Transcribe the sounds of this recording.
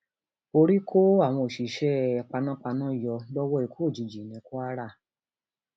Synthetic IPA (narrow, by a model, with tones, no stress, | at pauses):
o˧ɾi˦kʰo˦a˦˨w̃ɔ̃˧o˨ʃi˨ʃɛ˦˧k͡pa˧nã˦k͡pa˧nã˦˨jɔ˧lɔ˦wɔ˦i˨kʰo˦˨d͡ʒi˨d͡ʒi˨nĩ˨˦ko˦a˦ɾa˦˨